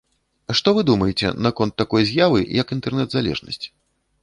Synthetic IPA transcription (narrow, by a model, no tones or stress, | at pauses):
ʂt̪ɔvɨd̪umɐjɛt͡sʲɛ̰nakɔnt̪ːakɔjzʲjavɨjɐkint̪ɛrnɛd̪zalʲɛ̰ʐnɐ̰sʲt͡sʲ